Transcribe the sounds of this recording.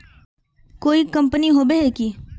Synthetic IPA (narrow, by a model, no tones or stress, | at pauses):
koːikɐ̃mpəniɦoːbeɦɛki